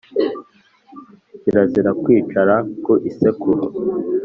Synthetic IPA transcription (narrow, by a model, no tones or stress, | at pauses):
iɾaziɾakwiːt͡ʃaɾakoʔisekuɾo